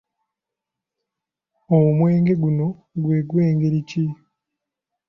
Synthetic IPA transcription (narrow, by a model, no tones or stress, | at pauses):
oumwe̞ːŋɡe̞ɡuno̞ | ɡweːɡwe̞ːŋɡeɾici